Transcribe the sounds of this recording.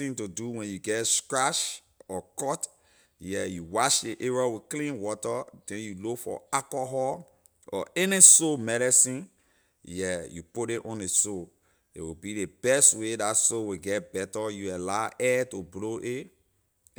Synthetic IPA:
ĩntuduwɛ̃njuɡɛtskɹaʃ | ɔkɔt | jɛjuwɔʃdeʔeɹɔwiklĩnwɔtədɛ̃njulokfɔ̰akɔɦɔ | ɔ̰ʔɛnisomɛɾɛsĩn | jɛjṵpudeʔɔ̃ndeso | ḛwibideb̥ɛstwedatsowiɡɛt̚bɛtəjualaʔɛtubloʔe

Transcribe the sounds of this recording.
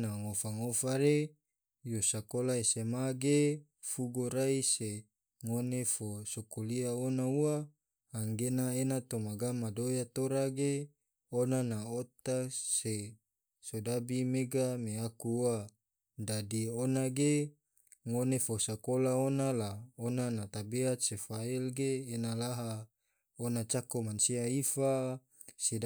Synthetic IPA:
naŋofaŋofaɾe | josakolaesemaɡe | fuɡoɾaise | ŋonefosokoliaonaua | haŋɡenaenat̪omaɡamadojat̪oɾaɡe | onanaot̪ase | sodabimeɡameakuwa | dadionaɡe | ŋonefosakolaonalaonanat̪abeat̪̚sefailɡeːnalaɦa | onat͡ʃakomansiaifa | sid

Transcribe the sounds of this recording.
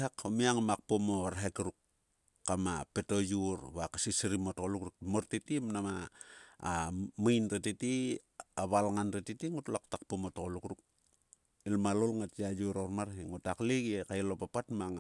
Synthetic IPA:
akomiaŋamak̚pomoɾɦekɾukː | amape̞tojuɾβakasisɾimotokolukɾuk̚moɾtitimnamaː | majnɾatiti | aβalŋanɾatitiŋutlak̚takpomotokolukɾuk̚ | ilmalolŋatiajuɾoɾmaɾɦiŋutakliɡekajlopapatmaŋ

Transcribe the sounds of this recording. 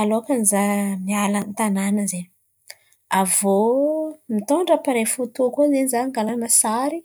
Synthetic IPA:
aloakanizamialant̪ananəze | avo | mit̪oɳɖ͡ʐapaɾefut̪ukozenzaŋɡalanəsaɾi

